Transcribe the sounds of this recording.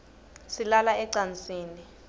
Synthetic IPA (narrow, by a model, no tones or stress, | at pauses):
silalaɛǀant͡sʼiːni